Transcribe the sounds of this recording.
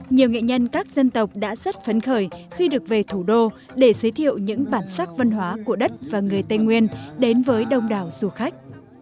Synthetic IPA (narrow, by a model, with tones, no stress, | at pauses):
ɲi˨˩əwŋḛ˧˨ɲə˧nkaː˦˥k̚zə˧nt̪ə˨˩wk͡p̚ɗa̰ː˧˥zə˦˥t̚fə˨˦nxəː˧˩jxi˧ɗɨ˨˩ək̚ve˨˩t̪ʰu˧˩ɗo˧ | ɗe˧˩zəː˨˦jt̪ʰḭ˧˨ə˨wɲɨ̰˧˥ŋɓaː˧˩nsaː˦˥k̚və˧nɦwaː˨˦ku˧˩əɗə˦˥t̚vaː˨˩ŋɨ˨˩əjt̪ə˧jŋwi˧ənɗe˨˦nvəː˨˦jɗə˧wŋ͡mɗaː˨˩wz̥u˨˩xa˦˥jk̟̚